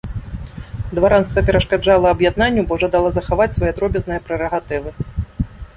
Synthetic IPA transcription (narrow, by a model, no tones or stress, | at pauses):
d̪vaɾanst̪vɐpʲɛɾɐʂkad͡ʐalˠɐɐbjad̪̚nanʲːubɔwʐɐd̪alˠazɐxavat͡sʲsvajɛad̪ɾɔbʲɛznɨjɐpɾɛɾɐɣat̪ɨvɨ